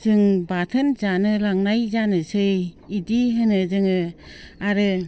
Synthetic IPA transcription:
zɯŋbatʰɯnzanɯlaŋnajzanɯsɯj | idiɦɯnɯzɯŋɯaɾɯ

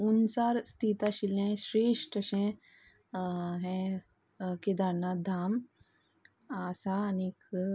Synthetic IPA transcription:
unt͡saɾst̪ʰit̪aɕilɛ̃ɕɾeʂʈəɕɛ̃ | ɦɛ̃ | kid̪aɾnad̪ʱam | asaːnk

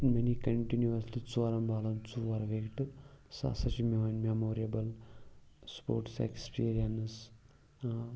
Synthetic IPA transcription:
menikɐɳʈinjuɐslit͡suaɾɐmbaːlɐnt͡suʋɐɾʋekʈɨsa̰sɐt͡ʃimeʋanmemoːɾiɐbəl | spoːɾʈsḛkspiːɾijɐns

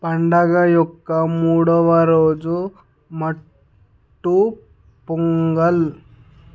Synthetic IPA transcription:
paɳɖaɡajokːamuɽɔʋaɾod͡zu | mə | ʈːu | puŋɡəl

